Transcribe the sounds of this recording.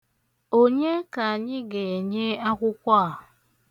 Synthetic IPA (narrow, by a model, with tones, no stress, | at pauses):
o˦ɲe˦ka˨a˨ɲɪ˦ɡe˨ɲe˦a˦kʷʊ˦kʷa˦a˨